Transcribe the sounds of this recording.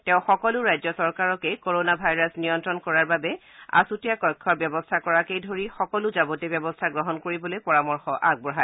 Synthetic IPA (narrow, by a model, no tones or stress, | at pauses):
tɛ̃ʊ̃xɔkɔlʊɹajzɔsɔɹkaɹɔkekoɹonabʱajɹasnijɔntɹɔnkɔɹaɹbabɛ | a̰sutijakɔjkʰːɔbjɔbɔstʰakɔɹakejdʱoɹixɔkɔlʊzabɔtebɛbɔstʰaɡɹɔɦɔnkoɹibɔlojpɔɹamɔɹxɔʔaɡ̚bɔɦa